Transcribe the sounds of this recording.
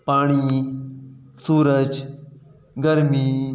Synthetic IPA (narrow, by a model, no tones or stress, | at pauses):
paːɽ̃iː | suːɾəd͡ʒ | ɡəɾmiː